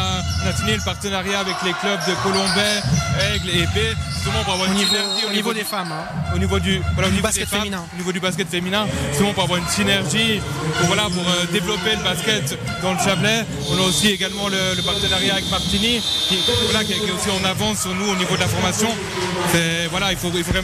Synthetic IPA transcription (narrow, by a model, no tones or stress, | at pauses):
maʁt̪iniləpaʁt̪ənaʁjaːvɛkleklœb̚d̪əkɔlɔ̃bɛɛɡlebeʒyst̪əmɑ̃puʁavwaʁynivɛʁt̪ionivod̪efamɛ̃onivod̪yvwalaonibasɛt̪aminɛ̃onivod̪ybaskʲɛt̪feminɛ̃ʒyst̪əmɑ̃puʁavwaʁynsinɛʁʒi | uvwalapuʁød̪evlɔpeləbaskʲɛt̪ | d̪ɑ̃ləʃablɛ | ɔ̃naosieɡalmɑ̃lələpaʁt̪ənaʁjaːvɛkmaʁt̪inikʲivwalakɛkiɛosiɔ̃navɑ̃syʁnuonivod̪lafɔʁmasjɔ̃ | sɛvwalailfoilfovʁɛ